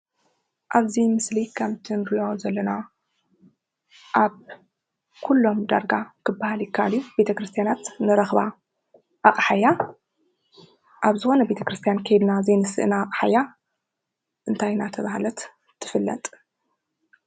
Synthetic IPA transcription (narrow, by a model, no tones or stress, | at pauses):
ʔaβzimɨslikʰamt̪ʰɨnɾijozɐlːɐna | ʔaβ | kʰulːo̞md̪a̰ɾɡakʰɨbːahaljikʰaljube̞t̪ʰɐkɾɨst̪ʰijanat̪nɨɾɐxβa | ʔaχʼħaja | ʔaβzɨxo̞nɐbe̞t̪ʰɐkɾɨst̪ʰijankʰɐjd̪nazenɨsɨʔnaːkʼħaja | ʔɨnt̪ʰajnat̪ʰɐβahlɐt̪ | t̪ʰːɨ̥fɨlːɐ̰t̪ʼ